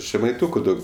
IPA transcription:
ʒʲɛmɐɪˈtʊkʊ ˈdɐʊk

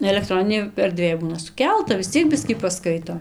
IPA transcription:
ɛlʲɛkˈtroːnʲɪnʲeːj ɛrʲˈdʲʋʲeːj ˈbuːnɐ sʊˈkʲɛlˠtɐ ʋʲɪs ˈt͡sʲiɛk ˈbʲɪsʲkʲiː pɐˈskɐɪtoː

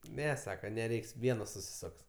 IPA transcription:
ˈnʲɛ ˈsɑːkɐ nʲɛˈrʲɛɪks ˈʋʲiɛnoːs sʊsʲɪˈsoːks

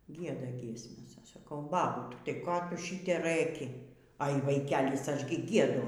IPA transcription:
ˈɡʲiɛdɐ ˈɡʲiɛsʲmʲɛs ˈɐʃ sɐˈkɐʊ ˈbɑːbʊtʲ tɐɪ ˈkoː ˈtʊ ˈʃʲɪtʲɛ ˈrɘkʲɪ ɐɪ ʋɐˈɪkʲɛlʲɪs ˈɐʃ ɡʲɪ ˈɡʲiɛdʊ

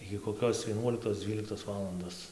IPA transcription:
ɪɡʲɪ koːˈkʲoːs ʋʲiɛˈnuɔlʲɪktoːs ˈd͡zʲʋʲiːlʲɪktoːs ˈʋɑːlˠɐndoːs

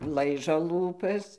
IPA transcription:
ˈlˠɐɪʒoː ˈlˠuːpɐs

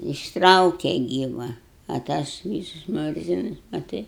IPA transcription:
ɪʃˈtrɐʊkʲɛ ˈɡʲiːʋɐ ɐ ˈtɐs ˈʋʲiːsʊs ˈmʊrʲzʲɪnʊs mɐˈtɐɪ

